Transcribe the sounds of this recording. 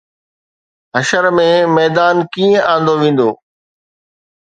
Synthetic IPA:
ɦɐʃəɾmẽmɛːd̪aːnkiːə̃ʔãːnd̪oʋẽːn̆d̪oː

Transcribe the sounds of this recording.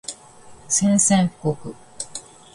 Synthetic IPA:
sẽɰ̃sẽŋkokɯ̟

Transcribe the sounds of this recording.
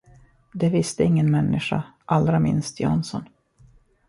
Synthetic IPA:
d̪ɛvɪst̪əɪŋːənmɛnːɪɧa̰ʔald̪ɾamɪ̰nst̪jɑ̰nsɔn

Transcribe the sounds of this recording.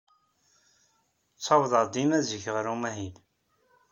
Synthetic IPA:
t͡sːɑvðˤəd̪imæzəçəʁɾumæɦin

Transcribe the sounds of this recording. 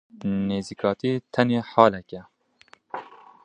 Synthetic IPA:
neːzikʰɑːt̪ʰiːt̪ʰɛneːħɑːlɛkɛ

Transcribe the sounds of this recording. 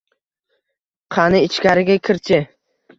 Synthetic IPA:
qʰɑnɪɪt͡ʃkʲaɾɪɡʲakʲʰɪɾt͡ʃʰɪ

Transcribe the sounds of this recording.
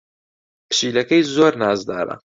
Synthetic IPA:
pʰɨ̥ʃiːlɐkɐjzoːɾnaːzd̪a̰ːɾɐ̰

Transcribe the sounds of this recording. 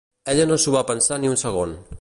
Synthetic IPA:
ɛʎənosuβapənsaniunsəɣ̞on

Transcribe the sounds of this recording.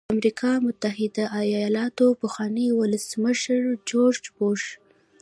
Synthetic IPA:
amɾikʰɑmʊt̪aɦɪd̪aʔajɑɑlɑt̪opəxwɑnewʊləsməʃɾd͡ʒoɾd͡ʒboʃ

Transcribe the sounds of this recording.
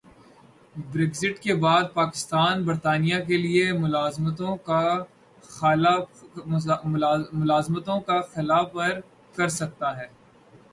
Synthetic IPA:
bɾeːɡzɪʈkebaːd̪̚paːkɪ̥st̪aːnbɐɾt̪aːnijak̬eliemʊlaːzmt̪õka | l | mʊmʊlaːzmət̪õkaxɪlaːfɐɾ | kɐɾsɐk̚t̪aɦɛː

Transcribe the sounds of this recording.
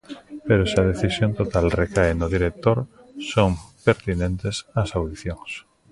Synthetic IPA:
peɾosɪɐð̞eθisjõnt̪ot̪alrekaenʊðiɾek̚t̪oɾ | soŋpeɾt̪inẽnt̪esɐsawðiθjoŋs

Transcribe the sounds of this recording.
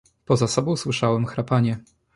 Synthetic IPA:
pɔzasɔbɔ̃w̃swɘʂawɛmxɾapaɲɛ

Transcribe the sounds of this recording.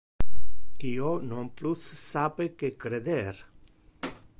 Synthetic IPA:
kionõmplussapekekɾeðeɾ

